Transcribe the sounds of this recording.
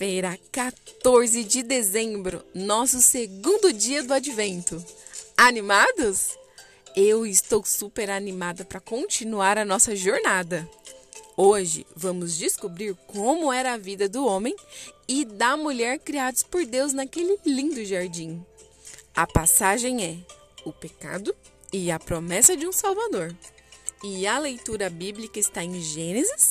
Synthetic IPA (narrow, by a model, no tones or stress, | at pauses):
feɾakat̪oɾzɪd͡ʒɪd̪ezẽmbɾʊ̰nɔsʊseɡũnd̪ʊd͡ʒiɐd̪ʊad͡ʒivẽnt̪ʊanimad̪ʊs | ewɪst̪owsupeɾanimad̪ɐpɾɐkõt͡ʃinuaɾɐnɔsɐʒoɾnad̪ɐ | oʒɪ̰vɐ̃mʊzd͡ʒɪskubɾiɾkõmʊɛɾɐːvid̪ɐd̪ʊõmẽj̃ɪd̪ɐmuʎɛɾkɾiad̪ʊspoɾd̪ewznɐkelɪlĩnd̪ʊʒaɾd͡ʒĩ | ɐpasaʒẽj̃ɛ | ʊpeka̰d̪ʊ | ɪɐpɾomɛsɐd͡ʒɪũsawvad̪oɾ | ɪɐlejt̪uɾɐbiblikɐɪst̪aẽʒẽnezɪs